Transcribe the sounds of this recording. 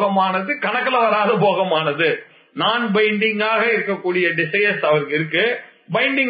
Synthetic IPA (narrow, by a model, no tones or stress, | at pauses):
ɣɐmaːnɐðɯkɐɳɐkːɐlɐʋɐɾaːðɐpoːɣɐmaːnɐðɯ | naːnbɐɪɳɖɪŋɡaːɣɐɪɾɯkːɐkːuːɽɪjɐɖɪsɐjɐsɐʋɐɾɯkːɪɾɯkːɯbɐɪɳɖɪŋ